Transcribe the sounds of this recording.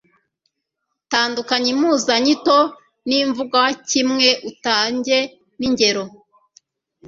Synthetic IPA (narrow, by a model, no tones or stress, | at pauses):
taːndukaɲimuːzaɲito | niɱvuɡwawacimŋe̞ʔutaːɲɟe | niɲɟe̞ɾo̞